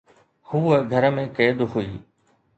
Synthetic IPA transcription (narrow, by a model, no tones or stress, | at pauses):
huːəɡʱɐɾə̆mẽkeːd̪ʊɦuiː